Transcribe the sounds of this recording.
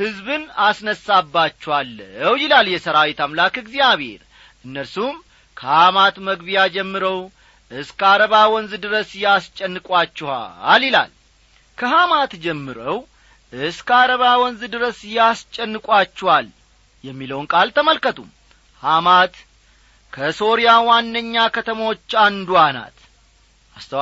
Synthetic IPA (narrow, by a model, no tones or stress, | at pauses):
hɨzbɨnasnəsːabːat͡ʃːɛwalːəwjɪlaljɛsəɾawit̪ʰamlakɨɡzijaβḛɾ | ʔɨnːəɾsum | kʰəhamat̪məɡbijad͡ʒɛmːɨɾəw | ʔɨskaɾəβawɔnzɨd̪ɨɾəsjast͡ʃʼɛnːɨkʼwat͡ʃːɛha̰ljɪla̰l | kʰəɦamat̪d͡ʒɛmːɨɾəw | ʔɨskəaɾəβawɔnzɨd̪ɨɾəsjast͡ʃʼːɛnːɨkʼwat͡ʃːɛhal | jɛmːiləwnkʼalt̪ʰəməlkət̪ʰum | hamat̪ | kʰəso̞ɾijawanːəɲːakʰət̪ʰəmwot͡ʃːand̪uana̰t̪ | ʔast̪ʰə